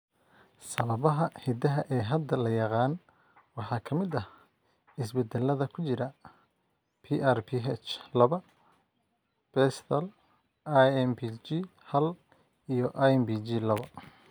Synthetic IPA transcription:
sɐβɐβɐɦɐhɛd̪ɐɦɐʔɛːɦɐd̪ɐlɐjɑqɑːn | wɑħɑːkʰɐmɪd̪ɐ | ɪsbɛd̪ɛlːɐðɐkʰʊt͡ʃɪɾɐ | pʰiʔarpʰiɦɛt͡ʃlɐβɐ | b̥ɛst̪ʰɐl | aɛmpit͡ʃi | hɐl | ijɞʔaɛmbit͡ʃiːlɐβɐ

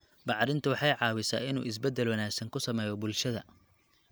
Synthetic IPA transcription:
bɑʕɾɪnt̪ʰɐwɑħɑjʕɑːwɪsa̰ːɪnṵːɪs̬bɛd̪ːɛlwɐnaːɡsɐŋkʰʊsɐmɛːjɔbʊlʃɐðɐ

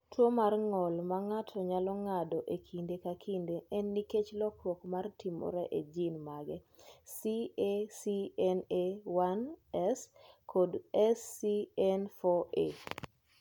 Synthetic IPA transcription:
tʰwomarŋɔlmaŋatʰɔɲalɔŋadɔʔekʰindekakʰindeʔɛnːiket͡ʃlɔkrwɔkmartimɔ̰ɾɛʔed͡ʒinmaɡɛsiesiɛnewanɛskʰodɛsːiɛnfɔe

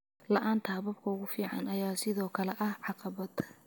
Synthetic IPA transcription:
lɐʔaːnt̪ʰɐbɐbkʰɐʊɣʊfiːʕɑ̰nɐjaːsɪðɔːkʰɐlɛʔɐhʕɑqɑβɐð

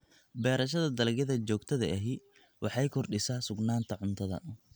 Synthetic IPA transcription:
bɛːɾɐʃɐðɐd̪ɐlɐɡjɐðɐt͡ʃɔːɡt̪ʰɐðɐ̰ʔɛɦɪ | wʔɑħɑjkʰɔrɖɪsaːsʊɡnaːnt̪ʰɐʕʊnt̪ʰɐðɐ̰

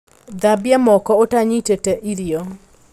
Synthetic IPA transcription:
d̪abjamɔkɔotaɲitetɛʔiɾio

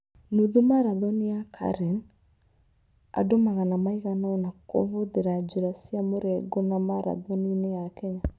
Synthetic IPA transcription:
nuðumaɾaðɔniakʰa̰ɾɛn | a̰domaɣanamaiɣanaɔnako̰voðeɾad͡ʒuɾasiamoɾɛɡonamaɾa̰ðɔninejakɛɲa

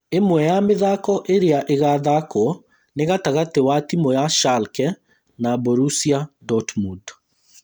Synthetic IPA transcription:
emwɛjameðakɔʔeɾeaʔeɣaðakɔ | neɣataɣatewatimɔjaʃalkɛ | naboɾusiadɔtmud

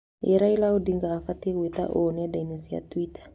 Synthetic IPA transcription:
jɛɾailaudiŋɡaːfatewet̪a̰ʔonɛdanisija̰tuwitḁ

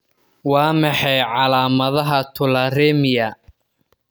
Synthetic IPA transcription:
wɑːmɑħɛjʕɑlaːmɐðɐɦɐt̪ʰʊlɐrɛːmɪjɐ

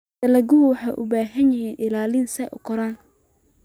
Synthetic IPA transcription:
ɐlɐɡʊwɑħɑjʔʊbaːɦɐnjɪhiːnʔɪlaːlɪnsɛʔʊ̰kʰɔɾaːn

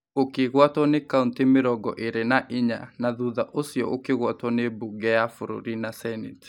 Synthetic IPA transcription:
okeɣwatwɔnekauntemeɾɔɡɔ̰ʔeɾenaʔiɲa̰naðuðaʔosjɔʔokeɣwatwɔnebuɡɛjafoɾo̰ɾinasɛnit

